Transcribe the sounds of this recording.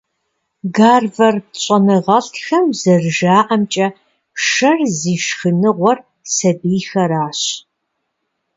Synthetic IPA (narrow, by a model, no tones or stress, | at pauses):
ɡaːrvɐrɕʷʼɐnɨʁɐɬtʰxɐmzɐrʒaːʔɐmt͡ʃʼɐ | ʂɐrziːʃxɨnɨʁʷɔr | sɐbiːxɐɾaːɕ